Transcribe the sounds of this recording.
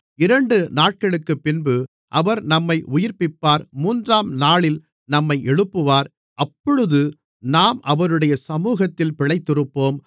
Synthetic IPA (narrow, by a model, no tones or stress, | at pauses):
ɪɾɐɳɖɯnaːʈ̚kɐɭɯkːɯpːɪnbɯ | ʔɐʋɐɾnɐmːɐɪʔʊjɪɾpɪpːaːɾmuːndraːmnaːɭɪl | nɐmːɐɪʔɛɻɯpːɯʋaːɾ | ʔɐpːɔɻɯðɯ | naːmʔɐʋɐɾɯɽɐjɐsɐmuːɣɐt̪ːɪlpɪɭɐɪt̪ːɯrɯpːoːm